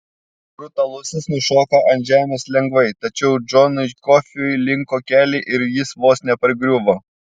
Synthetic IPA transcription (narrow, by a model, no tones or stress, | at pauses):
bɾʊt̪ɐlˠʊsʲɪsnʊʃoːkɐʔɐnʲʒʲæːmʲeːslʲɛŋɡʋɐɪt̪ɐt͡ʃʲɛʊd͡ʒɔnɐɪkɔfʲɪʊjlʲɪŋkoːkʲæːlʲɛɪʔɪɾjɪsʋoːsnʲɛpɐɾʲɡɾʲʊʋoː